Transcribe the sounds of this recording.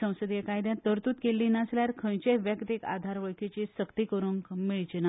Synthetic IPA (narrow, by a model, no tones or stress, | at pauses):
ə̃w̃səd̪jekajd̪jãt̪əɾt̪uːt̪kelːiːnasljaɾkʰə̃jt͡ɕeʋjəkt̪eka̰d̪ʱaɾʋəɭkʰet͡ɕisəkt̪ikəɾuːmiɭt͡ɕina